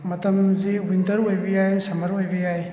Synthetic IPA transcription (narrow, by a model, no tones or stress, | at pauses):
mɐtɐmziwintɐɾojbijajsɐmɐɾojbijaj